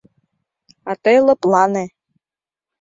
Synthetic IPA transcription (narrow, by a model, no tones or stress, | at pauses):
ɑt̪elə̆plɑne